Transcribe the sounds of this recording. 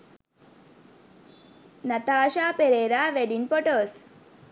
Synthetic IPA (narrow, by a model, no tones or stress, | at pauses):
nɐt̪aːʃaːpeɾeːɾaʋeɖinpoʈoːs